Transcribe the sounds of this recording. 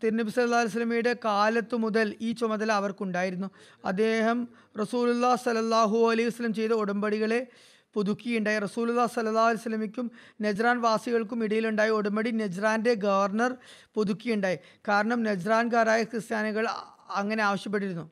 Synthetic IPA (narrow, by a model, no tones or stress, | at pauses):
t̪iɾnːɐbisɐlːɐlːaːɐlɐs̬ɐlːɐmijɽekaːlɐt̪ːɨmuðɐliːt͡ɕomɐðɐlɐʋɐrkuɳɖaːjiɾunːu | ɐ̰d̪ːe̞ːɦɐm | rɐsuːlulːaːhsɐlːɐlːaːɦuɐlɐjuʋɐsɐlːɐmt͡ɕe̞jt̪ɐoɽɐmbɐɽiɣɐɭe̞ | poðukʲːijuɳɖaːjirɐsuːlulːaːhsɐlːɐlːaːɦuɐlɐjsɐlːɐmikʲːum | ned͡ʑraːnʋaːsiɣɐɭk̬umiɽɐjiluɳɖaːjioɽɐmbɐɽined͡ʑraːnde̞ɡɐʋɐrnɐrpoðukʲːijuɳɖaːji | kaːɾɐɳɐmne̞d͡ʑraːnk̬aːɾaːjɐkrɨst̪jaːnɐɣɐɭ | ɐŋːɐne̞aːʋɐɕjɐp̬ːe̞ʈːiɾunːu